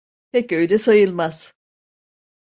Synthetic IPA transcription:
pʰɛcø̞jd̪ɛsajɯlˠmaz̥

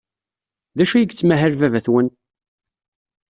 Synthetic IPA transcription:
ðæʃæjəɡt͡sːmæɦəɾvævæθwən

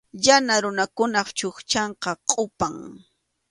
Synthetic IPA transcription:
janaɾʊnakʊnɑχt͡ʃoχt͡ʃɑɴqɑqʼʊpaŋ

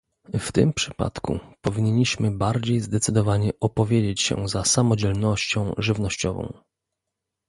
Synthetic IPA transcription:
ft̪ɘ̰mpʂɘ̥pa̰t̪kṵpɔvʲiɲeɲiɕmɘbaɾd͡ʑejzd̪ɛt̪sɘd̪ɔvaɲɛʔɔpɔvʲjed͡ʑet͡ɕɕɛ̰zasamɔd͡ʑɛlnɔɕt͡ɕɔ̃w̃ʐɘvnɔɕt͡ɕɔvɔ̰̃w̃

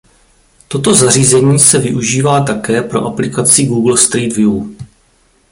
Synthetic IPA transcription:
t̪o̞t̪o̞zariːzɛɲiːsɛvɪʔuʒiːvaːt̪akɛːpɾo̞̰ʔaplɪkat͡sɪɡuːɡl̩st̪ɾiːd̪vjuː

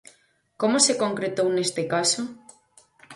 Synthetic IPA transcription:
komosekoŋkɾet̪ownest̪ekaso

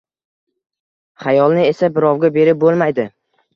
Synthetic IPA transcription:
χajɒlˠnɪe̞sabɪɾɒwɡʲabe̞ɾɪp̚bolˠmajd̪ɪ

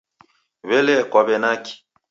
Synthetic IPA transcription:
βɛlɛkwaβɛnaki̥

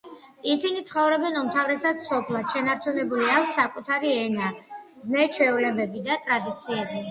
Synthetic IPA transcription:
isinit̪sʰχɔvɾɔbɛnumt̪ʰavɾɛsad̪sɔpʰlˠad̪̥ʃɛnaɾt͡ʃʰunɛbuliak̚ʷʰsːakʼut̪ʰaɾiɛnaznɛt͡ʃʰwɛvlɛbɛbid̪at̪ʼɾad̪it̪sʰiɛbi

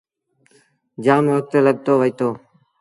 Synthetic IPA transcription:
d͡ʒaːmʋək̚t̪eləɠ̚t̪oːʋəiːt̪oː

